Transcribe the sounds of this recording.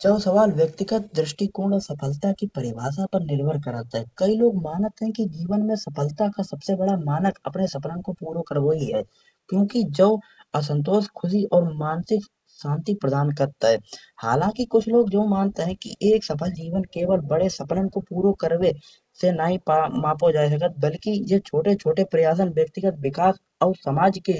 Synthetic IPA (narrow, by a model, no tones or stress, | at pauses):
d͡ʒəːsəʋaːlwjək̚t̪ɪɡət̪̚d̪ɾɪʃʈikõːɳəsɐpʰəlt̪akipəɾɪʋaːsapəɾnɪɾbʱəɾkəɾat̪ɦɛkɐiloːɡmaːnət̪ɦɛ̃kid͡ʒiːʋənmẽsɐpʰəlt̪akasɐbsebəɽamaːnəkɐpnesɐpnənkopuːɾokəɾʋoiɦɛ̰ː | kjõːkid͡ʒəːəs̬ə̃nt̪̬oːʃkʰʊsiʔɔːɾmaːnsɪk | ʃãːnt̪ipɾəd̪aːnkəɾt̪aɦɛːha̰ːlãːkikʊt͡ʃʰloːɡd͡ʒoːmaːnt̪eɦɛ̃kḭʔeːksɐpəld͡ʒiːʋənkeːwəlbəɽesɐpnənkopuːɾokəɾwe | senaɦĩpamaːpod͡ʒaːes̬ɐk̬ət̪̚bəlkijet͡ʃʰoːʈet͡ʃʰoːʈepɾəjaːs̬ənbjək̚t̪ɪɡət̪̚wɪkaːs | ɔːɾsəmaːd͡ʒke